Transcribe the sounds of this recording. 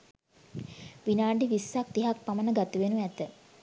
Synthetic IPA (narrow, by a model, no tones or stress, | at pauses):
ʋinaːɳɖiʋisːak̚t̪iɦak̚pamənəɡat̪əʋenuɛt̪ə